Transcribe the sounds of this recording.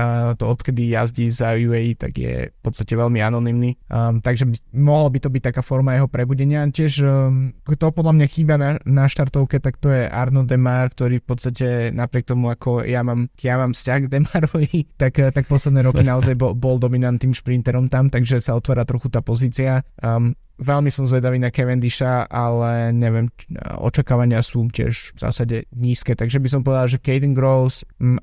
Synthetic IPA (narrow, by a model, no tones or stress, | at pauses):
t̪ɔɔt̪kɛd̪ijazɟizajuɛit̪a̰ɡjɛ̰pɔt̪t͡sst̪acɛʋɛlmianɔnimnit̪aɡʒɛmɔɦlabit̪ɔbiːc̚t̪akaːfɔɾmajɛɦɔpɾɛbuɟɛɲɪacɪɛʒkt̪ɔpɔd̪lamɲaxiːbananaʃt̪aɾt̪ɔʊkɛt̪akt̪ɔjɛʔa̰ɾnɔd̪ɛmaːɾkt̪ɔɾiːfpɔt̪st̪acɛnapɾɪɛk̚t̪ɔmuakʰɔjamaːmkjamaːmfscaɣɡd̪ɛmaɾɔʋit̪akt̪akpɔslɛd̪nɛːɾɔkinaɔzajbɔbɔld̪ɔminant̪niːmʃpɾint̪ɛɾɔmt̪amt̪aɡʒɛsaɔt̪ʋaːɾat̪ɾɔxut̪aːpɔziːt͡sia | ʋɛlmisɔmzʋɛd̪aʋiːnakɛʋɛnd̪iʃaʔalɛɲɛʋɪɛmɔ̰t͡ʃakaːʋaɲɪasuːcɪɛ̰ʒvz̥a̰saɟɛɲiːskɛːt̪aɡʒɛbis̬ɔmpɔʋɛd̪alaʒɛkɛjt̪iŋɡɾɔʊsm